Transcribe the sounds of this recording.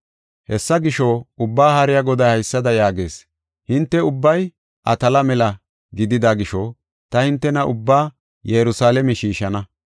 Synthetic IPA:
hɛsːɐɡɪʃɔʊbːaːhɐɾɪjaɡɔd̪ɐjhɐjsːɐd̪ɐjaːɡeːs | hɪnt̪ːɛʊbːɐj | ʔɐt̪ɐlɐmɛlɐ | ɡɪd̪ɪd̪aɡɪʃɔ | t̪ɐhɪnt̪ːɛnɐʔʊbːaː | jɛɾʊsaːlɛmɛʃiːʃɐnɐ

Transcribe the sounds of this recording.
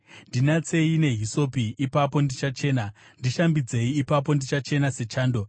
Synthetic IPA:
ndinat͡se̞ine̞ɦiso̞piːpapo̞ndit͡ʃat͡ʃe̞ːna | ndiʃambid͡ze̞iːpap̬o̞ndit͡ʃat͡ʃe̞nase̞t͡ʃaːndo̞

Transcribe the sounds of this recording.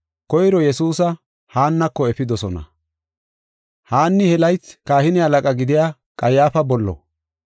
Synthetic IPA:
kɔjɾɔjɛsuːsɐ | haːnːɐkːɔɛfɪd̪ɔsɔnɐ̰ | haːnːɪhɛlɐjt͡sːkaːhɪnɪɐlɐkʼɐɡɪd̪ɪjaː | kʼɐjaːfɐbɔlːɔ̰

